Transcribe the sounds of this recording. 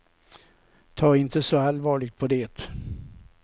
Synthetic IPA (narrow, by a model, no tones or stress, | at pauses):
t̪ʰɑːɾɪnt̪əsɔalvɑːɭɪɡ̚t̪̚pʰɔd̪eːt̪